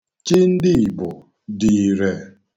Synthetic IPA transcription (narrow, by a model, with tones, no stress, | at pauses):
t͡ʃɪ˦n̩˦dɪ˦i˨bʊ˨ | di˨ɾe˨